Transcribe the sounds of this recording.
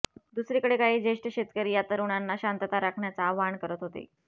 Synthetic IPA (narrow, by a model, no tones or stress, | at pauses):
d̪usɾikəɽekaɦiːd͡zeʂʈəɕet̪kəɾiːjat̪əɾuɳ̃anːaɕant̪ət̪aɾakʰɳjat͡saːʋaɳkəɾət̪ɦot̪ḛ